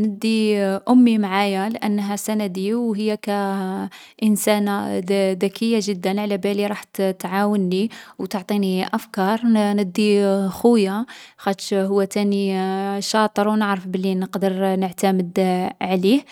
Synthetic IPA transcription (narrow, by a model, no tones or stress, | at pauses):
nəd̪ːiʔʊmːimʕajalʔənːɦæsænæd̪iwɦəjːakæ | ʔənsænad̪ækʰːəjːaʒəd̪ːənʕlæbæliɾˤɑħt̪t̪ʕawənːiwt̪oʕt̪ˤiniʔæfkɑɾˤnəd̪ːixʊjaxæt̪ʃhʊwːæt̪æniʃɑt̪ˤəɾwnəʕɾəfbəlːinəqd̪əɾnəʕt̪æməd̪ʕlih